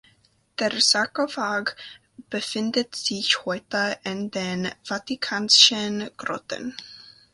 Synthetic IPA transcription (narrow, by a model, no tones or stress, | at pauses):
d̥eːɹzakovaɡ | b̥əfɪndətz̥ɪçhɔʏtəʔɪndeːnv̥atikʰaːnʃənɡ̥rɔ̰tə̰n